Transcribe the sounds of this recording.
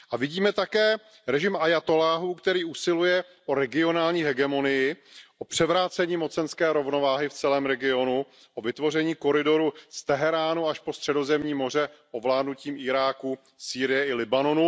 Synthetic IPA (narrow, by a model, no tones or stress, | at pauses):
ʔavɪɟiːmɛt̪akɛː | ɾɛʒɪmʔajat̪o̞laːɦuːkt̪ɛɾiːʔusɪlujɛ | ʔoɾɛɡɪo̞naːlɲiːɦɛɡɛmo̞nɪjɪʔo̞pr̝̥ɛvɾaːt͡sɛɲiːmo̞t͡sɛnskɛːɾo̞vno̞vaːɦɪft͡sɛlɛːmɾɛɡɪo̞nu | ʔovɪt̪vo̞r̝ɛɲiːko̞ɾɪdo̞ɾust̪ɛɦɛɾaːnuaʃpo̞st̪r̝̥ɛdo̞zɛmɲiːmo̞r̝ɛʔovlaːdnuciːmɪɾaːku | siːɾɪjɛɪlɪbano̞nu